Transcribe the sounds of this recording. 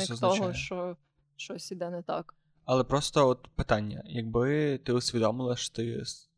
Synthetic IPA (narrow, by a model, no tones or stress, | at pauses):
ɛsɛznɔɦɔjʃt͡ʃɔ | ʃt͡ʃɔsʲid̪ɛnɛt̪ɑ̰k | ɐlˠɛpɾɔst̪ɔɔt̪pɪt̪ɑnʲːɐ̰jɐɡ̚bɪt̪ɪusʲʋʲid̪ɔmɪlˠɐʃɔ̥t̪ɪs